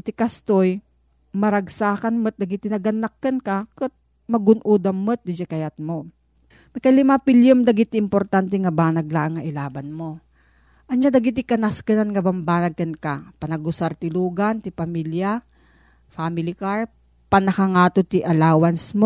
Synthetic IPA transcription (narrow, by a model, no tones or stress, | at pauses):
t̪ɪkast̪oj | mɐɾɐɡsaːkɐnmɨt̪̚d̪ɐɡɪt̪ɪnɐɡɐnːɐkːɐnkɐkʊt̪̚ | mɐɡʊnʔuːd̪ɐmːɨt̪̚d̪ɪd͡ʒɛkɐjat̪̚mo | mɐjkɐjlɪmapɪljomd̪ɐɡit̪ɪmpoɾt̪ant̪ɛŋɐbaːnɐɡlaʔɐŋːɐʔɪlaːbɐnmo̞ | ʔɐnɲad̪ɐɡɪt̪ɪkɐnaskɐnanŋɐbɐmbaːnɐɡ̚kɐnkapɐnɐɡʊsaɾt̪ɪluːɡɐnt̪ɪpɐmilja | faːmɪlɪkaɹ | pɐnɐkaŋaːt̪ot̪ɪʔɐlaːwɐnsmo